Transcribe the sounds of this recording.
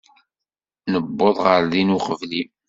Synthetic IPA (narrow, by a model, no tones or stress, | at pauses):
nəbːoðˤʁəɾðinuqəvli